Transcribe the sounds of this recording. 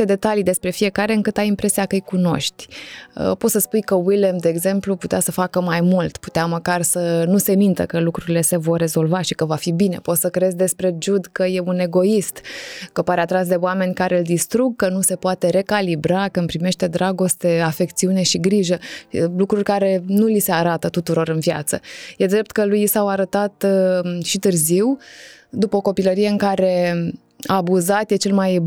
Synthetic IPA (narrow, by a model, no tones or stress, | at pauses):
ed̪e̞t̪alid̪e̞spɾe̞fie̞kaɾeɨŋkɨt̪ajimpɾe̞siakəɨjkuno̞̰ʃt̪ʲə̰pot̪səspujkəwilemd̪e̞ːɡze̞mpluput̪easəfakəmajmult̪pu̥t̪eaməkarsənuse̞mint̪ə̰kəlukɾuɾile̞se̞vo̞rːe̞zo̞lvaʃikəvafibine̞̰po̞t̪səkɾezʲd̪e̞spɾe̞d͡ʒud̪kəje̞une̞ɡo̞ist̪kəpaɾeat̪ɾas̬d̪e̞oame̞nʲkaɾʔe̞ɨld̪ist̪ɾuɡ̚kənuse̞poat̪e̞ɾe̞kalibɾakəmpɾime̞ʃt̪e̞d̪ɾaɡo̞st̪e̞afe̞kt̪siune̞ʃiɡɾiʒəlukɾurʲkaɾe̞nulise̞aɾat̪ət̪ut̪uɾo̞ɾɨnvja̰t̪səje̞d̪ɾe̞p̚t̪kəlujisawaɾət̪at̪ʃit̪ɨrziwd̪upəoko̞piləɾije̞ɨŋkaɾe̞ | aːbuzat̪je̞t͡ʃe̞lmaj